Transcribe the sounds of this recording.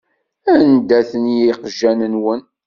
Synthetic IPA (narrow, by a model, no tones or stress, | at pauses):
ænd̪æθənjiqʒːænənwən